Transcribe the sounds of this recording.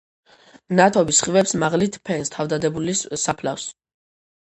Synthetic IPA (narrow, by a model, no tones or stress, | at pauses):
nat̪ʰɔbisχivɛpsmaʁlit̪ʰpʰɛnst̪ʰavd̪ad̪ɛbulissapʰla̰fs